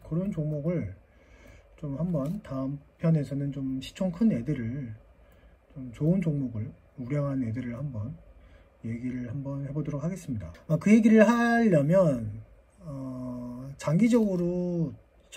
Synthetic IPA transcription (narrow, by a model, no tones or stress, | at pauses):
kʌɾont͡ɕoŋmoɡɯɭ | t͡ɕomhambʌntaɯmpʰjʌne̞sʰʌnɯnt͡ɕomɕʰi̥t͡ɕʰoŋkʰɯne̞dɯɾɯɭ | t͡ɕomt͡ɕoɯnd͡ʑoŋmoɡɯɭ | uɾjʌŋɦane̞dɯɾɯɭhambʌn | je̞ɡiɾɯɭhambʌnhe̞bodʌɾok̚haɡe̞s͈ɯmɲidaʌkɯje̞ɡiɾɯɭhaʎːʌmjʌn | ʌ | t͡ɕaŋɡid͡ʑʌɡɯɾo | t͡ɕ